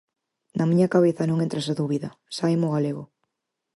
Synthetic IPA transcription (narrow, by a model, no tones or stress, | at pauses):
nɐmiɲɐkaβ̞eθɐnõŋent̪ɾasaðuβiðɐsajmoɣaleɣo